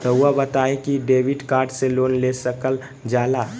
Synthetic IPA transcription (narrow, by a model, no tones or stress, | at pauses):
t̪ɔwabət̪aːẽkiɖeːʋɪɖkaːɾɖseloːnlesəkəl | d͡ʒaːlaː